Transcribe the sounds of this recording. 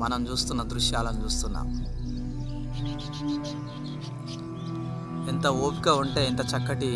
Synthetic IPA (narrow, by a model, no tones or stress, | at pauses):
mɐnɐmt͡ʃuːst̪unːɐd̪ɾuʂjaːlɐnut͡ʃuːst̪unːa̰ːm | int̪ɐoːpiɡaːuɳʈe̞ːint̪ɐt͡ʃɐkːɐʈi